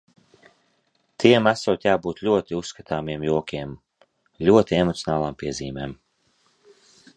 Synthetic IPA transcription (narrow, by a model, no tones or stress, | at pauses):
t̪ʰiɛmasuːt̪ʲjaːbuːt̪lʲuɔt̪iusːkat̪ʰaːmiɛmjuɔkʰʲiɛm | lʲuɔt̪iemɔt̪sʲɔnaːlˠaːmpiɛziːmɛ̰ːm